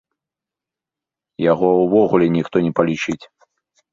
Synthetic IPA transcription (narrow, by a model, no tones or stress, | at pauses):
jaɣɔwvɔɣulʲɛnʲixt̪ɔnʲɛpɐlʲit͡ʂɨt͡sʲ